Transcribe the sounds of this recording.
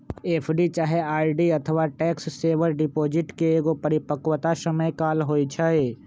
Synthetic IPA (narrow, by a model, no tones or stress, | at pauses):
eːpʰɖit͡ʃaːɦeaːiɖiɐt̪ʰəʋaʈɛːksːeːʋəɾɖɪpoːd͡ʒɪʈkeeːɡopəɾɪpəkwət̪asəməjkaːlɦoːit͡ʃʰae